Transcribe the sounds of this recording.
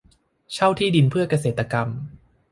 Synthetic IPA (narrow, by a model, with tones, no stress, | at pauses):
t͡ɕʰa˥˩wt̪ʰiː˥˩di˧npʰɯ˥˩ɐka˧s̬eː˨˩t̪ːa˧ka˧m